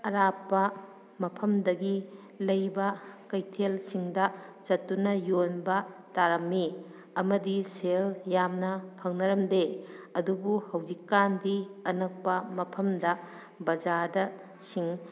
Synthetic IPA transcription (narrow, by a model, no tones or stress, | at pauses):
ɐɾapːɐ | mɐpʰɐmdɐɡi | lɐjbɐkɐjtʰelsiŋdɐt͡ʃɐtːunɐjonbɐtaɾɐmːi | ɐmɐdiseljamnɐpʰɐŋnɐɾɐmdeɐdubuhɐwd͡ʒikːandiɐnɐk̚pɐmɐpʰɐmdɐ | bɐd͡ʒadɐ | siŋ